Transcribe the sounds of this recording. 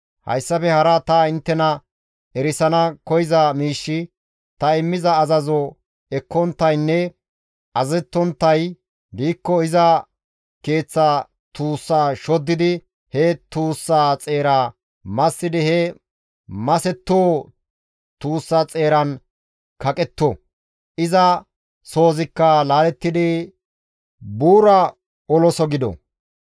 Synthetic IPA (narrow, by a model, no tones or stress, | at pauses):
hɐ̰jsːɐfɛhɐɾɐt̪ɐɪnt̪ːɛnɐ | ɛɾɪsɐnɐkɔjɪzɐmiːʃːɪ | t̪ɐɪmːɪzɐːzɐzɔ | ɛkːɔnt̪ːɐjnːɛ | ʔɐzɛt̪ːɔnt̪ːɐj | b̪iːkːɔɪzɐ | ke̞ːt͡sːa | t̪uːsːaːʃɔd̪ːɪd̪ɪ | hɛt̪uːsːaːt͡sʼe̞ːɾaː | mɐsːɪd̪ɪhɛ | mɐsɛt̪ːoː | t̪uːsːaːt͡sʼe̞ːɾɐn | kɐkʼɛt̪ːɔ | ʔɪzɐ | so̞ːzɪkːɐlaːlɛt̪ːɪd̪ɪ | buːɾɐ | ɔlɔsɔɡɪd̪ɔ̰